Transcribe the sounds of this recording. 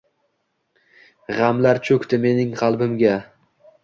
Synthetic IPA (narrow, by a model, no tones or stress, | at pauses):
ʁamlaɾt͡ʃʰɵkʲt̪ɪme̞nɪŋqʰɑlˠbɪmɡʲa